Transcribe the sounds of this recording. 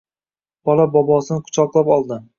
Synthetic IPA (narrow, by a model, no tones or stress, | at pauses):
b̥ɒlabɒbɒsɪnqʰʊ̥t͡ʃʰɒqlˠapɒlˠd̪ɪ